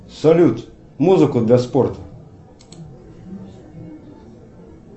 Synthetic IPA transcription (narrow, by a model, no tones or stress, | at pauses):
sɔlʲut̪ | muzɨkʊd̪lʲɐspɔrt̪ɐ